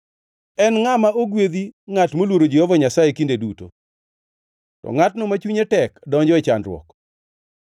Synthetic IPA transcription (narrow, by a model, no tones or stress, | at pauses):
ɛnŋamaoɡwed̪iŋatmolwoɾod͡ʒehovaɲasajekindeduto̰ | tɔ̰ŋatnɔmat͡ʃuɲetɛkdɔɲd͡ʒɔɛt͡ʃandɾwɔ̰k